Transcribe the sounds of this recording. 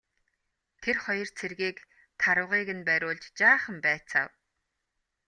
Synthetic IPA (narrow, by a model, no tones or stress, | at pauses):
t̪ʰerχɔjɞ̆r̥t͡sʰerɣiːk | t̪ʰaɾə̆wʁiːɣɘ̆npæɾʲʊːɮt͡ɕt͡ɕaːχə̆mpæːt͡sa̰w